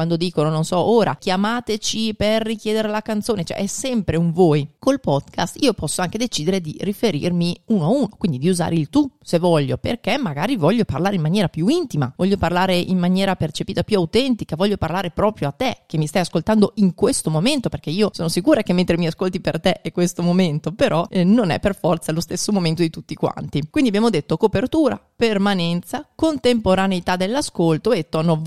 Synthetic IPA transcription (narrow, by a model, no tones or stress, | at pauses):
kwand̪od̪iːkonononsɔoːɾa̰kjamaːt̪et͡ʃiperːikjɛːd̪eɾelakant̪soːnet͡ʃɛ̰ʔɛsːɛmpɾeuɱvoːjkolpɔd̪ka̰st̪iːopɔsːoaŋked̪et͡ʃiːd̪eɾed̪irifeɾḭrmiuːnoauːnokwind̪id̪iuza̰ːɾeilt̪usevɔʎːo̰pḛrkemːaɡaːɾivɔʎːoparlaːɾeimːanjɛːɾapjuint̪ima̰vɔʎːoparlaːɾeʔimmːanjɛːɾapert͡ʃepiːt̪apjuawt̪ɛnt̪ikavɔʎːoparlaːɾepɾɔːpɾjoat̪ːek̟emːist̪ajaskolt̪and̪oiŋkwest̪omoment̪operk̟eiːosoːnosikuːɾak̟emːent̪ɾemiaskolt̪ipert̪eʔɛkwest̪omoment̪opeɾʔɔnonɛ̰pːerfɔrt̪salost̪esːomoment̪od̪it̪ut̪ːikwa̰nt̪ikwind̪iabjaːmod̪et̪ːokopert̪uːɾa̰permanɛnt̪sakont̪empoɾaneit̪ad̪ːelːaskolt̪oet̪ːɔnːo